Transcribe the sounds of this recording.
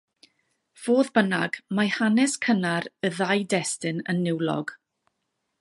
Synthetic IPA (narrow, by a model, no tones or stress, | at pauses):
v̥oːðbənaɡmahanɛskʰənaɾəðajdɛstɨnənːɪwlˠɔ̰ɡ̥